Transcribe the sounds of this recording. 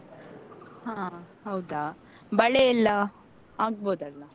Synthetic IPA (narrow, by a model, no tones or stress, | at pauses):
hãːɦɐwd̪a | bɐɭeilːɐ | aːɡ̚boːd̪aːɐ